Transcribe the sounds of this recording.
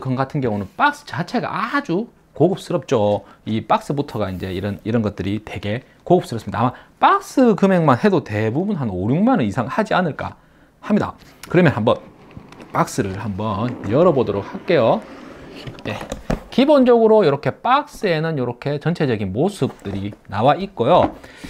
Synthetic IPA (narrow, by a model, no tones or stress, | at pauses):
kʌnɡatʰɯnɡjʌŋunɯnp͈ak̚s͈ɯ̥t͡ɕat͡ɕʰe̞ɡa̰ʔad͡ʑu | koɡɯp̚s͈ɯɾʌp̚t͡ɕ͈oip͈ak̚s͈ɯbutʰʌɡaind͡ʑe̞iɾʌniɾʌnɡʌt̚t͈ɯɾitwe̞ɡe̞ | koɡɯp̚s͈ɯɾʌsɯmɲidaːmap͈ak̚s͈ɯkɯme̞ŋmanhe̞dote̞bubunɦanoɾjuŋmanɯnisʰaŋhad͡ʑianɯɭk͈a̰ | hamɲida̰kɯɾʌmjʌnɦambʌn | p͈ak̚s͈ɯɾɯɭhambʌnjʌɾʌbodoɾok̚hak͈e̞jo | jekibond͡ʑʌɡɯɾojʌɾʌkʰe̞p͈ak̚s͈ɯe̞nɯnjʌɾʌkʰe̞t͡ɕʌnt͡ɕʰe̞d͡ʑʌɡinmosʰɯp̚t͈ɯɾinawait̚k͈ojo